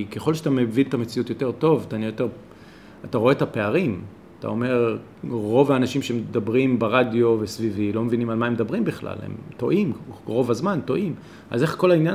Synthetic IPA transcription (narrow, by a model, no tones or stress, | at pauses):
keχolʃ̬eat̪amevint̪ame̞t͡siutjo̞te̞ʁto̞vt̪aniajot̪e̞ʁ | ataʁo̞etape̞aʁim | at̪a̰o̞me̞ʁː | o̞vaːnaʃimʃemedabʁimbeʁadjo̞vesvivilo̞mevinimalmaemedabʁimbiχla̰lhḛmto̞̰ʔimʁo̞vazmanto̞ʔim | a̰zeχko̞lainja